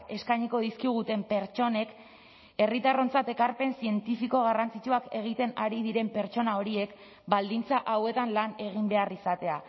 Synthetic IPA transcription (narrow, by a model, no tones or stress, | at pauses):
e̞skajɲiko̞ðiskiɣ̞ut̪e̞mpe̞ɾt͡ʃo̞ne̞k | e̞rit̪aro̞nt͡sat̪e̞kaɾpe̞nsie̞nt̪ifiko̞ɣ̞arant͡sit͡ʃuake̞ɣ̞it̪e̞naɾið̞iɾe̞mpe̞ɾt͡ʃo̞nao̞ɾie̞k | bald̪int͡saʔawe̞t̪anlane̞ɣ̞imbe̞arisat̪e̞a